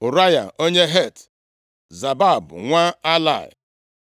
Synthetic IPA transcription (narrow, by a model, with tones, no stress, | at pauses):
ʊ˨ɾa˦ja̰˨o˦ɲe˦ɦe˦˨t | za˨ba˦˨bʊ̰˨ŋʷa˦a˦la̰˦˨ɪ̰˨